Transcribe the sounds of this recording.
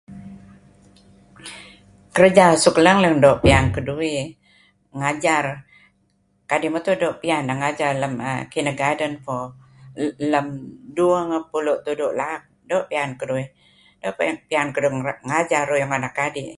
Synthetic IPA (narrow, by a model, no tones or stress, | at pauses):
kəɾəd͡ʒasukləŋləŋdoʔpiankədui | ŋad͡ʒar | kadimət̪udoʔpiandaŋad͡ʒarləmə̰kinəɡadənfɔ | ləmduəŋəpulʊʔt̪udoʔlak̚doʔpiankədui | doʔppiankəduŋad͡ʒarujuŋanakːadi